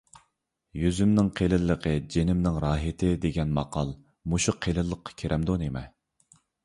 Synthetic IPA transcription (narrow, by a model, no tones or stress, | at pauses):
jyzymnɪŋqʰelɪlːəqʰəd͡ʒenɪmnɪŋɾɑːɦɪt̪ʰɪd̪eɡʲɛnmɑqɑlˠ | muʃuqʰelɨlˠːəqʰːɑ̥kʲʰeɾʔɛmd̪onemɛ